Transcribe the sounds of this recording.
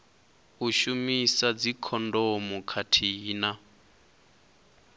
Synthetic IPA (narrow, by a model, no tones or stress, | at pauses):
uʃumisad͡zikʰɔndɔmukʰatʰiːna